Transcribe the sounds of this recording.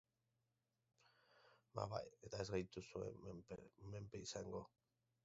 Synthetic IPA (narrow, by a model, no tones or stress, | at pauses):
ma̰βa̰jet̪aeszɣajt̪usuḛ | mempeisaŋɡo